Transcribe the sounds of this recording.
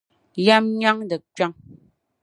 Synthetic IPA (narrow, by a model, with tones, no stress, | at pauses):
ja˦mɲa˦ŋdə˨t͡ʃwa˦ŋ